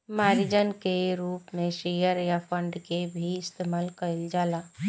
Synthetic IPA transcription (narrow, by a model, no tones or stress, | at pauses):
maːɾid͡ʒənkeɾuːpmẽʃejəɾjapʰəɳɖkebʱiɪst̪eːmaːlkəɪld͡ʒaːlaː